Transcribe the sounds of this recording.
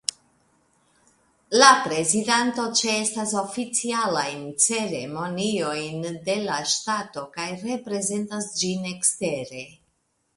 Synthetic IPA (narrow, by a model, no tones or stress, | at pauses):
lapɾe̞zidanto̞t͡ʃeestaso̞fit͡sialajnt͡se̞ɾe̞mo̞nio̞jnde̞laʃtato̞kajre̞pɾe̞ze̞ntasd͡ʒine̞kste̞ɾe̞